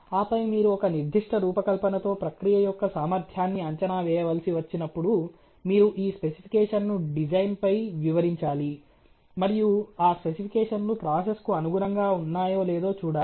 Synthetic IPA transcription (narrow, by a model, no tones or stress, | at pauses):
aːpɐjmiːɾuɔkɐniɾd̪ʱiʂʈɐɾuːpɐkɐlpɐnɐt̪o̞ːpɾɐkɾijɐjɔkːɐsaːmɐɾt̪ʰjaːnːiɐɲt͡ʃɐnaːʋɛːjɐʋɐlsiʋɐt͡ʃːinɐpːuɽu | miːɾuʔiːspe̞sipʰikɛːʂɐnːuɖid͡ʒɐjnpɐjʋiʋɐɾiɲt͡ʃaːli | mɐɾijuaːspe̞sipʰikɛːʂɐnlupɾaːseskuɐnuɡuɾɐŋɡaːunːaːjo̞ːlɛːd̪o̞ːt͡ʃuːɽaːi